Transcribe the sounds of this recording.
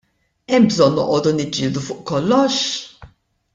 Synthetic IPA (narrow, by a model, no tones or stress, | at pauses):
ɛmbzɔnːɔ̰ʔɔːd̪unɪd͡ʒɪːld̪ufʊːʔkɔlːɔʃ